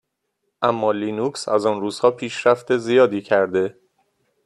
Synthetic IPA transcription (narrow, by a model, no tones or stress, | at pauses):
ʔæmːɒːliːnuːksæ̰zɒːnruːz̥hɒːpʰiːʃɾæft̪e̞zijɒːd̪iːcʰæɾd̪e̞